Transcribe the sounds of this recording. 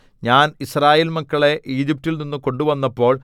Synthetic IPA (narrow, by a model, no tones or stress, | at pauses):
ɲaːnisraːjiːlmɐkːɐɭe̞ʔiːd͡ʑip̚tilninːuko̞ɳɖuʋɐnːɐpːo̞ːɭ